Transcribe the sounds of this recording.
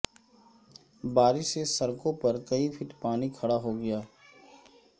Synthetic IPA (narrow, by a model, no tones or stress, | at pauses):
baːɾɪʃsesɐɾkõpɐɾkɐipʰɪʈpaːnikʰɐɽaɦoɡɐjaː